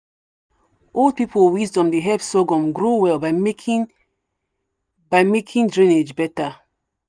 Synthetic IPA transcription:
ʔold̚pipowizdɔ̃mdeɦɛvsoɡɔ̃mɡɹowɛlba | baɪmekʰĩndɹĩned͡ʒbɛta

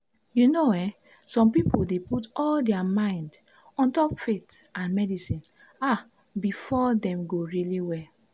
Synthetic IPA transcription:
junowɛ | sɔ̃mpipodeputɔldɛamãɪ̃nd | ɔ̃ntɔpfetʔãnmɛdisĩn | a | bifɔdɛ̃mɡoɹiliwɛ

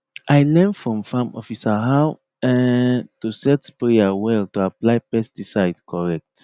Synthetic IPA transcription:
ʔajlɛ̃nfɹɔ̃mfãmɔ̰fisaɦaw | ɛtusɛtspɹeawɛltuaplajpɛstisaɪdkʰɔɹɛk̚t

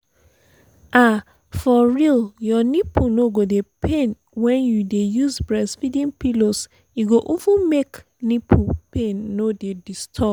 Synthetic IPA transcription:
a | fɔɹiljɔnipunoɡodepʰẽn | wɛ̃njudejuzbɹɛsfidĩnpilos | juɡoʔovũmek | nipʰupẽnːodedistʰɔ

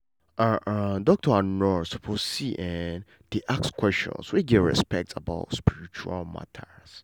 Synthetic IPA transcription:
ʔãʔãdɔk̚tʰɔanɹɔɹsupʰozsiʔɛn | deʔakskwɛst͡ʃɔ̰̃nswiɡɛɹɛ̰spɛk̚ta̰ba̰ʊtspiɹit͡ʃua̰lma̰tʰas

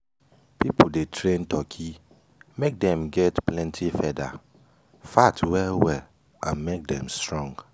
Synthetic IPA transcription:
pipudetʰɹẽntʰɔkʰi | mek̚dɛ̃mɡɛtplɛ̃ntʰifɛda̰ | fatʰwɛlwɛl | ãnmek̚dɛ̃mstɹɔ̃ŋɡ

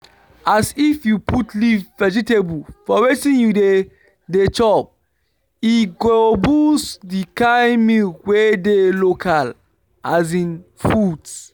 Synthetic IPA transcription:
asifjupʰutlivvɛd͡ʒitebulfɔwetĩnjude | det͡ʃɔp̚ | iɡoobusdikãɪmiwedelokʰal | az̬ĩnfuds

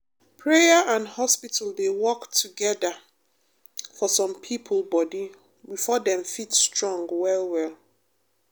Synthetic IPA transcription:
pʰɹeəʔãndhɔspitəlˠdewɔktʰuɡɛðə | fɔsɔ̃mpʰipʰəl̩ˠbɔdi | bifɔdɛ̃ɱfitstɹɔ̃ŋɡwɛlˠwɛlˠ

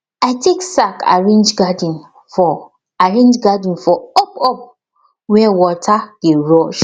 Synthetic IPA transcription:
aɪtʰeksakʰa̰ɹẽnd͡ʒɡad̃n | fɔ | aɹẽnd͡ʒɡad̃n̩fɔɔpɔp̚ | wɛwɔtʰaɡ̥eɹɔʃ

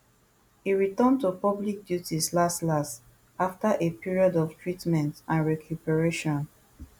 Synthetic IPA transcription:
hiɹitə̃ntupɔblik̚djutislastlast | aftaʔepiɹiɔdɔftʰɹitmɛ̃ntãnɹɛkʰjupɛɹeʃɔ̃n

